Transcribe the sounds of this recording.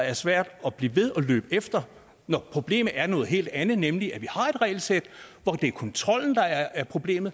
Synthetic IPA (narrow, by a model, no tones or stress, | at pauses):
æɐsʋæɐ̰d̥ɒ̽b̥liːʋe̝ðˠɒ̽lø̰ːb̥əefd̥ɐ | nɒpʰʁo̝b̥le̝̰ːmð̩æɐnɔ̽ːð̞̩ˠɦe̝̰ːld̥ænð̩ˠnemliʔæʋihɑ̈e̝d̥ʁɛ̰ːɪlsed̥ʋɒd̥e̝ækʰɒ̽nt͡sʰʁɒ̽l̰n̩d̥ɑ̈æɐæɐpʰʁo̝b̥le̝̰ːmð̩ˠ